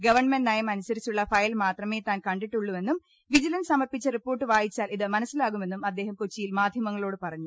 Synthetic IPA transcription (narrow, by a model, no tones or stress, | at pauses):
ɡɐʋɐrɳmeɳɖnɐjɐmɐnusɐɾit͡ɕːuɭːɐfɐjlmaːt̪rɐme̞ːt̪aːnkɐɳɖiʈːuɭːume̞nːum | ʋid͡ʑilɐnsɐmɐrpit͡ɕːɐripːo̞ːrʈːɨʋaːjit͡ɕːaːliðɨmɐnɐsːilaːɣume̞nːumɐd̪ːe̞ːhɐmkot͡ɕːijilmaːd̪ʱjɐmɐŋːɐɭo̞ːɽɨpɐrɐɲːu